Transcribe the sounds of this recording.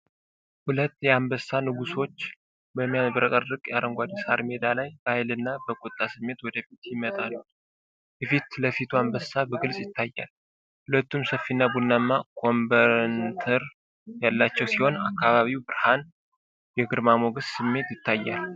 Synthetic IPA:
hulət̪ːjɛambəsːanɨɡuso̞t͡ʃː | bəmːijanbɾəkʼərːɨkʼjɛaɾəŋɡʷad̪isaɾme̞d̪alajbəajlɨnːabəkʼot̪ʼːasɨmːe̞t̪wɔd̪əfit̪jɪmət̪ʼalːu | jɛfit̪ləfit̪ʰuambəsabəɡɨlsʼjɪt̪ʰːajːa̰l | hulət̪ːumsəfːinːabunːamːakʰo̞mbəɾnt̪ʰəɾ | jalːat͡ʃːɛwsiho̞nakʰːaβaβiwbɨɾhan | jɛɡɨɾmamoɡəssɨmːe̞t̪jɪt̪ʰːajːal

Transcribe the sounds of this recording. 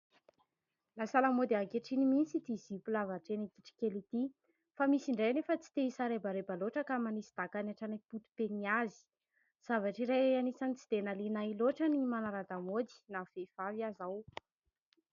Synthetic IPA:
lasalamod̪iakeʈ͡ʂinimint͡sit̪izipulavaʈ͡ʂenikiʈ͡ʂi̥kelit̪i | famisiɳɖ͡ʐejnefət͡si̥t̪eisaɾebaɾebaloʈ͡ʂəkamanisid̪̥akanaʈ͡ʂanaput̪u̥peniazi̥ | z̥avaʈ͡ʂiɾeanisanit͡sid̪̥enalinailoʈ͡ʂənimanaɾad̪amod̪i̥nafev̥aviazaw

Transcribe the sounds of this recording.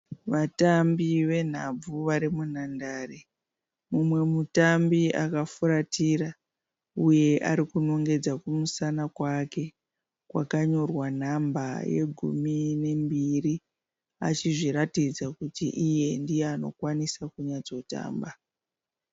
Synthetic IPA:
ʋatambiʋe̞n̤ab͡vuʋaɾimunandaːre | mumwe̞mutambia̰kafuɾatira | uje̞ʔa̰ɾikuno̞ŋɡe̞d͡zakumusanakwake̞ | kwa̰kaɲo̞rwan̤amba̰je̞̰ɡʱṵmine̞mbiri | a̰t͡ʃiʐiɾatid͡zakutḭʔije̞ndijeano̞kwanisakuɲad͡zo̞ta̰ːmba

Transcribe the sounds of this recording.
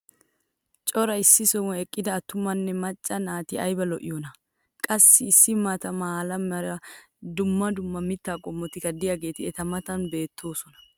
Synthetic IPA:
t͡ʃʼɔɾɐɪsːɪsɔmɔɛkʼːɪd̪ɐːt̪ːʊmɐnːɛmɐt͡ʃʼːɐnaːt̪ɪʔɐjbɐlɔʔɪ̰jɔnɐ | kʼɐsːɪːsːɪmaːt̪ɐmaːlɐmɐɾɐ | d̪ʊmːɐd̪ʊmːɐmɪt̪ːaːkʼɔmːɔt̪ɪkːɐd̪ɪjaɡe̞ːt̪ɪɛt̪ɐmɐt̪ɐnbe̞ːt̪ʰːo̞ːsɔnɐ̥

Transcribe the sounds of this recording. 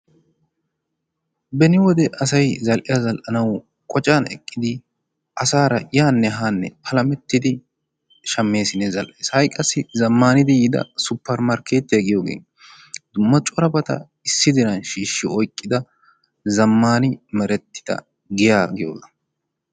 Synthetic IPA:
bɛnɪwɔd̪ɛʔɐsɐjzɐlʔɪjazɐlʔɐnɐw | kʼɔt͡ʃʼanɛ̰kʼːɪd̪ɪ | ʔɐsaːɾɐjaːnːɛɦaːnːɛ̰pʰɐlɐmɛt̪ːɪd̪ɪ | ʃɐmːe̞ːsɪnːɛzɐlʔeːshɐjkʼɐsːɪzɐmːaːnɪd̪ɪjɪd̪ɐ̰sʊpːɐɾmaɾkeːt̪ːɪɐɡɪjoːɡḛːn | d̪̥ʊmːɐt͡ʃʼɔɾɐbɐt̪ɐ̰ | ɪsːɪd̪ɪnɐnʃiːʃːɪɔjkʼːɪd̪ɐ | zɐmːaːnɪmɛɾɛt̪ːɪ̥d̪̥ɐ̰ | ɡɪjaːɡɪjo̰ːzɐ

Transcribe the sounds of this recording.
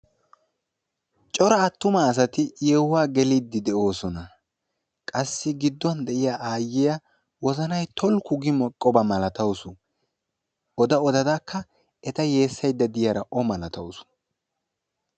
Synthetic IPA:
t͡ʃʼɔɾɐːt̪ːʊmaːs̬ɐt̪ɪjewːaːɡɛliːd̪ːɪd̪ɛo̞ːsɔnɐ | kʼɐsːɪɡɪd̪ːɔnd̪ɛʔɪjaʔaːjːɪja | wɔzɐnɐjt̪ʰɔlkʊɡɪmɔkʼːɔbɐmɐlɐt̪ɐwsʊ | ɔd̪ɐɔd̪ɐd̪akʰːɐ | ɛt̪ɐje̞ːsːɐjd̪ːɐd̪ɪjaɾɐʔɔmɐlɐt̪ɐwsʊ̥

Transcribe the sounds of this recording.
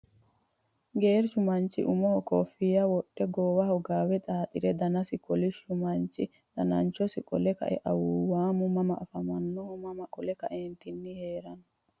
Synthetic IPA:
ɡeːɾʃʊmɐnt͡ʃɪ̰ʔʊmɔhɔkɔːfɪjɐwɔɗːɛɡoːwɐhɔɡaːwɛt̪ʼaːt̪ʼɪɾɛd̪ɐnɐsɪkɔlɪʃʊmɐnt͡ʃɪ | d̪ɐnɐ̰nt͡ʃɔsɪkʼɔlɛkɐ̰ʔɛ̰ʔɐwʊwaːmʊmɐmɐʔːfɐmɐnːɔʊmɐmɐkʼɔlɛkɐʔeːnt̪ɪnːɪheːɾɐnʊ

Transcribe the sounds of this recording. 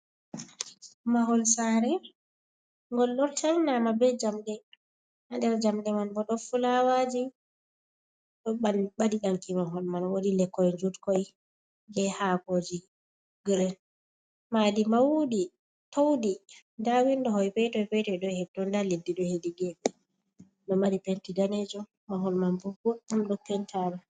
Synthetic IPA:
maɦɔlsaːɾɛ | ŋɡɔlːɔɾtalnamabɛd͡ʒamɗɛ | handɛɾd͡ʒamɗɛmanbɔɗɔfulawad͡ʒi | ɗɔɓanɓadiɗaŋkimaɦɔlmanwodilɛkːɔjɛd͡ʒutkɔj | ɡɛhakod͡ʒi | ɡɾɛn | madimawudi | towdi | ndawindɔhɔjpɛtɔjpɛtɔjɗɔhɛtɔndaledːiɗɔhediɡɛɓɛ | nɔmadipentidaned͡ʒɔ | maɦɔlmanbuɡɔumɗɔpɛntʰama

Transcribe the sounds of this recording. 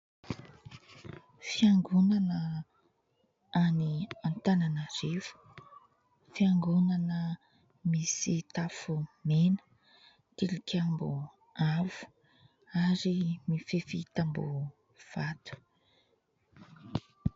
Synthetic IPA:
fiaŋɡunanə | aniant̪ananərevu̥ | fiaŋɡunanə | misit̪afumenə̥ | t̪ilikʲambu | avu̥ | aɾimifefit̪ambṵ | v̥at̪u̥

